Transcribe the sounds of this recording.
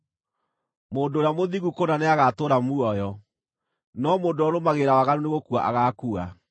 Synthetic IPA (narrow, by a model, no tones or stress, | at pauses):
moːndːɾejamoðiɣukonaneaɣatoɾamuɔjɔ | nɔmoːndoɔɾomaɣeɾawaɣaɾoneɣokuaʔa̰ɣaːkua